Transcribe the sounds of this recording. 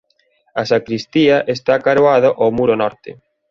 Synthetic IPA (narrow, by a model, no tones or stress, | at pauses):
asakɾist̪iaʔest̪akaɾwoaðoʔawmuɾonɔɾt̪ɪ̰